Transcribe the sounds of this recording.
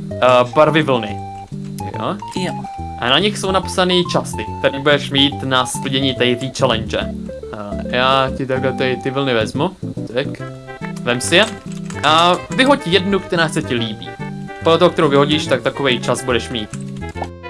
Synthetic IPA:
paɾvɪvl̩nɪ̰ | jo̰ | j | ʔa̰naɲɪxso̞wnapsanɪt͡ʃast̪ɪk̚t̪ɛɾiːbudɛʃmiːt̪nasplɪɟɛɲiːt̪ɛjt̪iːt͡ʃɛlɛnd͡ʒɛ̰ | jaːcɪt̪aɡlɛt̪ɛt̪ɪvl̩nɪvɛzmut̪ɛk | vɛmsɪjɛʔavɪɦoc̚cɪjɛdnukt̪ɛɾaːxsɛcɪliːbḭːpodlɛt̪oɦokt̪ɛɾowvɪɦoɟiʃt̪ak̚t̪akovɛjt͡ʃasbudɛʃmiːt̪

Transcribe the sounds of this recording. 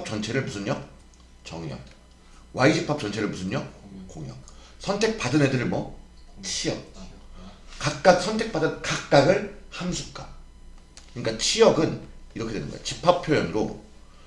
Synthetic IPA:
p̚t͡ɕʌnt͡ɕʰe̞ɾɯɭmusʰɯnɲʌ | t͡ɕʌŋjʌ̰ | waiɕʰipʰːap̚t͡ɕ͈ʌnt͡ɕʰeɾɯɭmusʰɯnɲʌkoŋjʌŋ | sʰʌntʰe̞k̚p͈adɯnedɯɭmwʌt͡ɕʰijʌk̚ | kak̚k͈ak̚sʰʌntʰek̚p͈adɯnkak̚k͈aɡɯɭhamsʰup̚k͈a | kɯɲik͈at͡ɕʰijʌɡɯniɾʌkʰedwe̞nɯnɡʌ̰jo̰t͡ɕipʰapʰjojʌnɾo̰

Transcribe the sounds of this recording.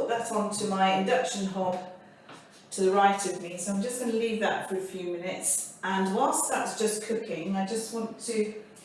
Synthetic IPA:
ʊʔ̚ðəɾn̩tʰɨmaɪɪ̃ndʌkʃɨ̃nɦɒb̥ | tʰəðəɹaɪtʌvmisoʊãɪ̃md͡ʒʌsɡ̥ʌnəlivðə̰tfə˞ɨfjʉmɪ̃nɪtsʔə̃nwʌ̃nsðəʔsd̥ʒ̥ʌskʰʊkʰɪ̃ŋaɪd͡ʒʌst̚wɑ̃ntʰɨ

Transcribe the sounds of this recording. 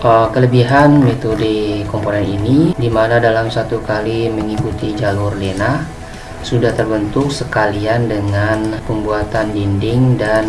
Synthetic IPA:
ʔəkələbiɦanmet̪odikɔmponɛninidimanadalamsat̪ukaliməŋikut̪id͡ʒalʊrlena | sudaht̪ərbənt̪ʊksəkaliandəŋanpəmbuat̪andindɪŋdan

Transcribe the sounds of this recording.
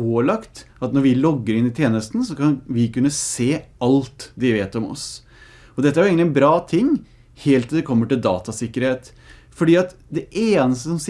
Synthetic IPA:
oːlɑkt̪ɑt̪nɔɾʋɪlɔɡːəɾɪnɪt̪ʰjeːnəst̪n̩sɔkʰɑnʋɪkʉnːəseːɑlt̪d̪ɛʋeːt̪ɔmɔ̰s | ɔd̪ɛt̪ːæɾjʊeːɡənlɪɛnbɾɑːt̪ʰɪŋː | heːlt̪nɑd̪ɛkʰɔmːəʈɪld̪ɑ̰ːt̪ɑsɪkːəɾheːt̪ | fɔɖiːɑt̪ | d̪ɛʔeːnəst̪əsɔms

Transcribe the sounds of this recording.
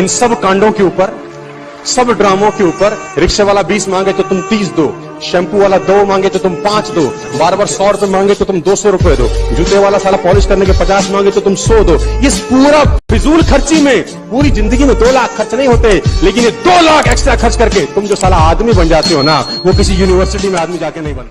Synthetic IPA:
ɪnsɐbkãːɳɖõkeuːpəɾ | sɐbɖɾaːmõkeuːpəɾ | ɾɪkʃeʋaːlabiːsmãːŋɡet̪ot̪ʊmt̪iːs̬d̪oː | ʃɛ̃ːmpuʋaːlad̪oːmãːŋɡet̪ot̪ʊmpãːt͡ʃd̪oː | baːɾbaːɾsɔːɾʊpemãːŋɡet̪ot̪ʊmd̪oːsɔɾʊpjed̪o̰ːd͡ʒʊt̪eʋaːlasaːlapɔːlɪʃkɐɾnekepɐt͡ʃaːsmãːŋɡet̪ot̪ʊmsɔːd̪oːɪspuːɾafɪzuːlkʰɐɾt͡ʃimẽ | puːɾizɪ̃nd̪əɡimẽd̪oːlaːkʰːɐɾt͡ʃnɐɦĩɦoːt̪eɦɛːleːkɪnjed̪oːlaːkʰeːksʈɾakɐɾt͡ʃkɐɾket̪ʊmd͡ʒoːsaːlaaːd̪mibɐnd͡ʒaːt̪eɦoːnaʋokɪsijuːnɪʋəɾsɪʈimẽaːd̪mid͡ʒaːkenɐɦĩbɐnt̪ː

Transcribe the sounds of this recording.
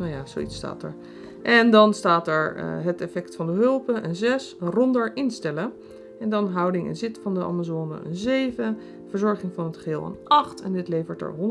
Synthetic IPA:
najaːzo̰witsta̰ːtɛ̰ɹ | ʔɛndɑnstaːtɛɹ̰ɦətɛfɛktfɑndəɦɵlˠpəʔənzɛsrɔndəɹʔɪnstɛlə | ɛndɑnɦʌwdɪŋɪ̰nzɪtfɑndəʔa̰ːmazoːnə̰ʔə̰nzejvə | vəɹzɔɹχɪŋvɑnɦətχɦɪːlˠa̰nɑχtɛndɪtlejvəɹtɛ̰ɹɦɔn

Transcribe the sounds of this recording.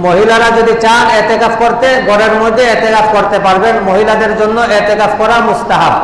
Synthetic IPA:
moɦilaɾad͡ʑod̪it͡ɕanɛt̪ekapkoɾt̪eɡɔɽeɾmod̪ʱːeɛt̪ekafʰkoɾt̪epaɾbenmoɦilad̪eɾd͡ʑonːoʔɛt̪ekafʰkɔɾamust̪aɦab

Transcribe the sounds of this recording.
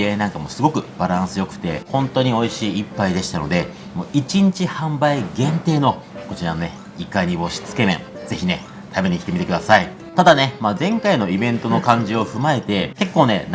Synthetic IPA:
enãŋkamo̞sɨɡo̞kɯ̟b̥aɾãɰ̃sɨjo̞kɯ̟̥t̪e̞̰hõ̞nt̪o̞ɲ̟io̞iɕiːipːaid̪e̞ɕi̥t̪ano̞̰d̪e̞ | moit͡ɕiɲ̟it͡ɕihãmbaiɡẽ̞nt̪e̞ːno̞ | ko̞t͡ɕiɾanone | ikːaiɲ̟ibo̞ɕi̥t͡sɨ̥ke̞mḛ̃d͡ze̞çʲine̞̰ | t̪ʰabeɲ̟ikʲi̥t̪emit̪ekɯd̪asai | t̪ad̪ane̞maːzẽ̞ŋkaino̞ibẽ̞nt̪o̞no̞kãɲ̟d͡ʑio̞ɸɯ̟mae̞t̪e̞ke̞kːo̞ːne̞̰n

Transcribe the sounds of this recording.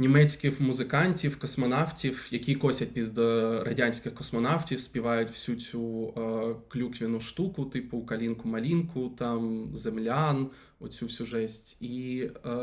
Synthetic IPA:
nʲimɛt͡ssʲkɪxmʊzɪkɑnʲtʲiwkɔsmɔnɑwtʲiwjɐkʲikɔsʲɐt̚ʲpʲid̪rɐdʲanʲsʲkʲɪxkɔsmɔnɑwtʲiwsʲpʲiʋɑjʊtʲwsʲut͡sʲu | klʲukʋʲinʊʃt̪ukʊt̪ɪpʊkɐlʲinkʊmɐlʲinkʊt̪ɑmzemlʲan | ɔt͡sʲusʲuʒɛsʲtʲi

